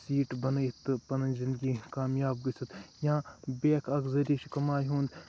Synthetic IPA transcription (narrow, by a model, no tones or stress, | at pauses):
siːʈbɐnɐjt̪pɐnɐzɪ̃nd̪ɡikaːmjaːbɡɐsʰɐt̪jãːbeːkʰɐɡzɐɾʲiʃkɐmaːjɦũːnd̪